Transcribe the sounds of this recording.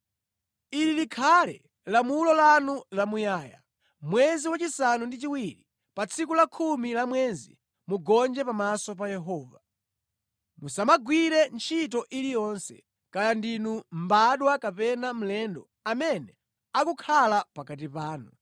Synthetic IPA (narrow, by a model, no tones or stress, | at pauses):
ililikʰalɛ̰ | lamulɔlanulamujaːja̰ | mwɛziwat͡ʃisanundit͡ʃiwiɾi | pat͡sʰikulakʰumilamwɛːzḭ | muɡɔnd͡ʒɛpamasɔp̬ajɛɦɔːva | musamaɡwiɾɛnt͡ʃʰitɔʔilijɔnsɛ̰ | kajandinumbaɗwakapɛnam̩lɛndɔ̰ | amɛnɛ | akukʰalapakat̬ipaːnu